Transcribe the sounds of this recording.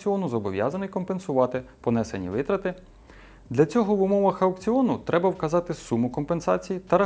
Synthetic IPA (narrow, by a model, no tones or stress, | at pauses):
t͡sʲiɔnʊzɔbɔʋʲjɑ̰zɐnɪjkɔmpe̞nsʊʋɑt̪ɪpɔnɛsḛnʲḭʋɪt̪ɾɐt̪ɪ | d̪lʲɐt͡sʲɔɦɔʋʊmɔʋɐxɐʊkt͡sʲiɔnʊt̪ɾʔɛbɐwkɐzɑt̪ɪsumʊkɔmpensɑ̰t͡sʲijit̪ɐɾɐ